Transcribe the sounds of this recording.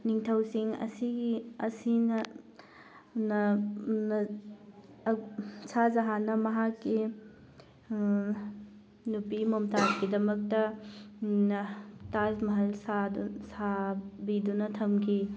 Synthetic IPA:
niŋtʰɐwsiŋɐ̰siɡiɐsinɐ | nɐnɐ | sʰazaɦanɐmɐɦakːi | nupimomtazɡidɐmɐk̚tɐ | nɐtazmɐɦɐlsadsabidunɐtʰɐmkʰi

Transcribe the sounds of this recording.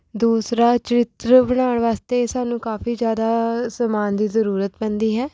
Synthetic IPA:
d̪uːsɾaːt͡ʃəɾɪt̪ɾəbəɽ̃aːɳʋaːst̪eːsaːnũːkaːfiːd͡ʒjaːd̪aːsəmaːnd̪iːzəɾuːɾət̪bɛ̃ːnd̪iːɦɛː

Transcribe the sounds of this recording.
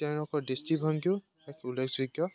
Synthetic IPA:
tɛ̃wlɔkɔɹdestibʱɔŋɡju | ɛkʰulekʰziɡjɔ

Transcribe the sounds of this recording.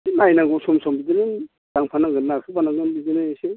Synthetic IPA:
sinajnaŋɡɔsɔmsɔmbidenɯn | d̥aŋpʰanaŋɡɯnːaɾkʰɯpʰanaŋɡɯnbidenɯse

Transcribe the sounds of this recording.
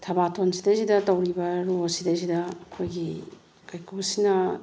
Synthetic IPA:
tʰabatʰonsʰidazidatawɾibaɾosidazidakʰojɡi | kajkɯsina

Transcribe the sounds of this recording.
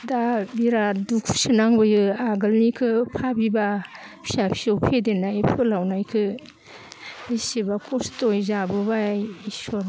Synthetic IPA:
dabiɾadukʰsɯnaŋbɯjɯaɡɯlnikʰɯpʰabibapʰi̥sapʰi̥sɔwpʰedenajpʰɯlawnajkʰɯ | isibakʰɔstojzabɯbajisɔɾ

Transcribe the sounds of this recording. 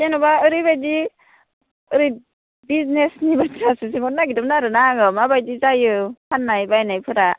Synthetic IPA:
senɔbaɯɾibajdi | ɯɾi | biznesnibatɾasɯsiŋɔt̚naɡidɯmnaɾɯnaɡɯmabajdizajɯpʰanːajbajnajpʰɯɾa

